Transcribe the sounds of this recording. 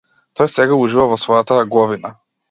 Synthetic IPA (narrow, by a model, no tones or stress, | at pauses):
t̪ɔjsɛɡauʒivavɔsvɔjat̪aɡˠɔvina